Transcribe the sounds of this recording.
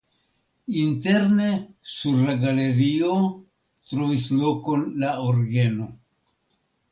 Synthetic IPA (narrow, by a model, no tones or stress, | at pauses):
inte̞ɾnesuɾlaɡale̞ɾio̞ | tɾovislo̞ko̞nlaoɾɡeno̞